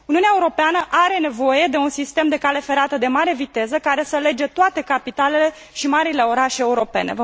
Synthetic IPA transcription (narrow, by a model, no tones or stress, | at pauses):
uniuneaeuɾo̞peanəʔaɾe̞ne̞vo̞je̞d̪e̞unsist̪e̞md̪e̞kale̞fe̞ɾat̪əd̪e̞maɾe̞vit̪e̞zəkaɾe̞səle̞d͡ʒe̞t̪oat̪e̞kapit̪ale̞le | ʃimaɾile̞o̞ɾaʃeeuɾo̞pe̞̰ne̞̰və